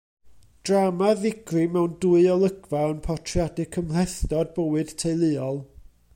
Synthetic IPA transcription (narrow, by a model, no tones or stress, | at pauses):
d̥ramaðɪɡrimɛwnduɨɔlˠəɡvaənpʰɔtʰrjadɪkʰːəml̥ɛθdɔd̚bəwɨd̥tʰejlˠɨːɔlˠ